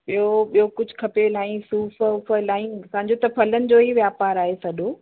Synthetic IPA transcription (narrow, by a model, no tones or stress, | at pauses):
ɓijoɓijokʊd͡ʑʱʊkʰɐpelãːĩsuːfəʊfəlaːĩsãːɲd͡ʑot̪ɐfɐlənɪ̆d͡ʑoːɦiʋjaːpaːɾaːɦesɐɗoː